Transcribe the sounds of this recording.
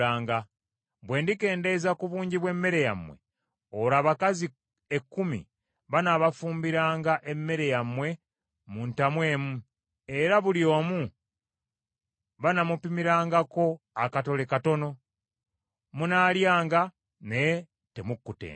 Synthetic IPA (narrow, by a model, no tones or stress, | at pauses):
aːŋɡa | bwe̞ːndike̞ːnde̞zakuβuːɲɟiβwe̞mːe̞ɾe̞ja̰mwe̞̰ | oɾaːβakazi | ekːumḭ | βanaβafuːmbiɾaːŋɡaʔe̞mːe̞ɾe̞jamwe̞ | muntamwe̞ːmu | e̞ɾaβuljo̞ːmu | βanamupimiɾaːŋɡako̞ | akato̞lekato̞no̞ | munaːljaːŋɡa | ne̞ | te̞mukːutḛː